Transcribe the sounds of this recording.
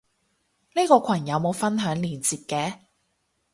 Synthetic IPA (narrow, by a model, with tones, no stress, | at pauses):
niː˥kɔː˧kʷʰɐ˨˩njɐ˨˧wmo˨˧wfɐ˥nɦœː˨˥ŋliː˨˩nt͡siː˧p̚kɛː˧